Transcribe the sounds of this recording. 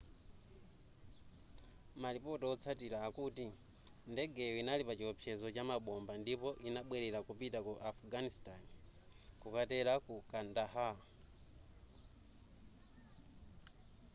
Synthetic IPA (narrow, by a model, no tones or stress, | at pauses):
malipɔtɔɔt͡sʰatilaːkuti | ndɛɡɛjɔinalipat͡ʃiɔpʰjɛzɔt͡ʃamaɓɔmbandipɔʔinaɓwɛɾɛlakupitakuʔafɡanistani | kukatɛɾakukandaha